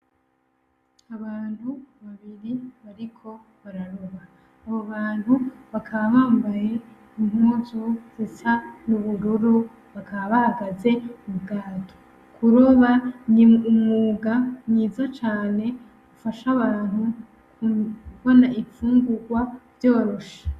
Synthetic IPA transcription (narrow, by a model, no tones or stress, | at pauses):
aβaːn̥huβaβiɾiβaɾikʰo̞ | βaɾaɾoβaː | βo̞βaːn̥huβakʰaβaβaːmbaje̞ | imhuːzoz̥it͡ʃanuβuɾuɾu | βakaβaβahaɡaze̞uβuɡaːtʰo̥ | kʰuɾo̞βaɲumŋuːɡaɲɲiːzat͡ʃaːne̞ | ɡufaʃaβaːnhu | kuβo̞naʔifuːŋɡuɡwavjo̞ːɾo̞ʃḁ